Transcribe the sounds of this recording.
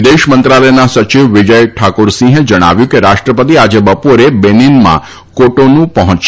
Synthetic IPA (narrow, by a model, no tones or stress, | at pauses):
d̪eʃmənt̪ɾaləjnasət͡ʃiʋʋɪd͡ʒəjʈʰakoɾsĩɦed͡ʒəɽ̃a̰ʋjũkeɾaʃʈɾəpət̪̬iad͡ʒebəpoɾebeninmã̰ | koʈonũpəɦɔ̃t͡ʃ